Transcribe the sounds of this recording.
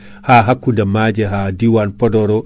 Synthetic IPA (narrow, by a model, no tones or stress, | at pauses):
haːɦakːundamaːd͡ʒɛɦaːdiwanpɔdɔɾɔ